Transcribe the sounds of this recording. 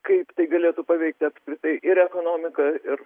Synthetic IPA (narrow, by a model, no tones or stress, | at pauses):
kɐɪpt̪ɐɪɡɐlʲeːt̪uːpɐʋʲɛɪk̚t̪ʲɪɐpskɾʲɪt̪ɐɪʔɪɾɛkoːnoːmʲɪkɐɪr